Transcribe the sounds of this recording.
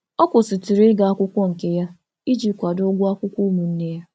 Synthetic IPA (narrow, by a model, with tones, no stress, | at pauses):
ɔ˦kʷʊ˨si˨ti˨ɾe˦ɡa˨a˦kʷʊ˦kʷɔ˦ŋ̩˨ke˦ja˦ | i˦d͡ʒi˦kʷa˨do˦ɡʷʊ˦a˦kʷʊ˦kʷu˦mu˨n̩˦ne˦ja˦